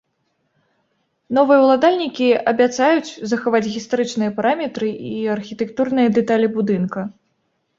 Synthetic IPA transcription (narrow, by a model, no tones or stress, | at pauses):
nɔvɨjɐwlˠad̪alʲnʲikʲiɐbʲat̪sajut͡sʲzɐxavat͡sʲɣʲist̪aɾɨt͡ʂnɨjɐpaɾʔamʲɛt̪ɾɨʔiɐrxʲit̪ɛkt̪urnɨjɐd̪ɛt̪alʲibud̪ɨnkɐ